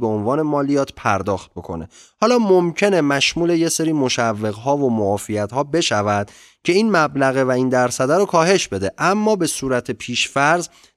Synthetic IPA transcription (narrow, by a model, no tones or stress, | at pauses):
beonvɒːne̞mɒːlijɒːt̪ʰpʰæɾd̪ɒːxt̪̚bo̞kʰo̞̰ne̞̰hɒːlɒːmomcʰe̞ne̞mæʃmuːleje̞seɾiːmoʃævːe̞ɣɦɒːvomoɒːfijæt̪hɒːbe̞ʃævæd̪̥ | cʰe̞iːnmæblæɣe̞væiːnd̪æɾsæd̪æɾokʰɒːɦe̞ʃbe̞d̪e̞ʔæmːɒːbe̞suːɾæt̪ʰepʰiːʃfæɾz